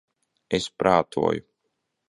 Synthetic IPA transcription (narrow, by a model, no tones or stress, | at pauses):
espɾaːt̪ʰṵɔju